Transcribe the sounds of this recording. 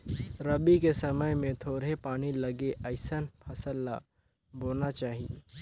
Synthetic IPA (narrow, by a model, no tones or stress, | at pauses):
ɾɐbikesɐməjmẽt̪ʰoːɾepaːñilɐɡeʔəɪsənpʰɐsəlːa | boːnat͡ʃaːɦiḛ